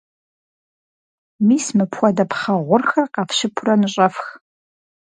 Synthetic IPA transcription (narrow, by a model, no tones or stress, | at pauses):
mismɨpʰxʷɔdɐpʰχɐʁʷʊrxɐrqɑfʃɪpʰʊrɐnɨɕʼɐfx